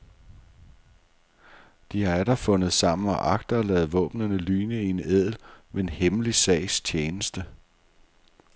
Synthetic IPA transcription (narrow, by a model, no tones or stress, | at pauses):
d̥iææɾɐfɔ̽nð̩ˠsɑ̈m̰n̩ɒ̽ʔɑ̈ɡ̥̚d̥ɐːlɛ̰ːð̩ˠʋɔ̰̽ːb̥nɐnəlyːnəie̝neð̰ˠl̩mee̝nhemlisɛ̰ɪ̰st͡st͡ɕʰeːnəsd̥ə